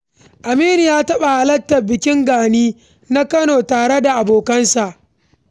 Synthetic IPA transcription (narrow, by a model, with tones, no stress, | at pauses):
ʔa˨miː˦ni˨jaː˦tɐ˦ɓa˨ha˨lɐ˦tːɐ˨bɪ˨kʲɪ˦ŋɡaː˨niː˦ | na˦kɐ˦noː˨taː˨ɽe˦da˨ʔa˨boː˨kɐ˦nsa˨ʔ